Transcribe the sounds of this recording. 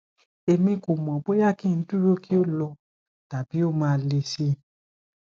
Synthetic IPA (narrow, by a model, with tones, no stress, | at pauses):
e˧mĩ˧ko˨mɔ̃˨bo˦ja˦˨kĩ˦˨n̩˦du˦˨ɾo˦kʰi˦o˦˨lɔ˧˦ | ta˨bi˨˦o˦˨mãː˦˧˦le˧si˧˦